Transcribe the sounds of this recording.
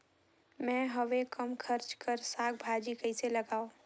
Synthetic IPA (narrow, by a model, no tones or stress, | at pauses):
mɛ̃ɦɐʋekɐmkʰɐɾt͡ʃkɐɾsaːk̚bʱaːd͡ʒikɐɪselɐɡaːoː